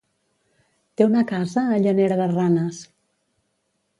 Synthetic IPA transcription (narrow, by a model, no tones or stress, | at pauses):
t̪eunəkazəːʎəneɾəðəranəs